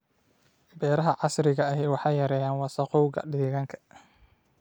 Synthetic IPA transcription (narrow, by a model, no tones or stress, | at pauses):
bɛːɾɐɦɐʕɑsɾɪɣɐɐɦɛwɑħɑjɐɾɛːjaːnwɑsɐquːɣɐ̰ɖiːɣɐŋkʰɐ̥